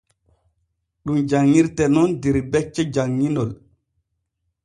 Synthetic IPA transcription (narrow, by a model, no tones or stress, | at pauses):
ɗumd͡ʒaŋːiɾtɛnɔndiɾbɛt͡ʃːɛd͡ʒaŋːinɔl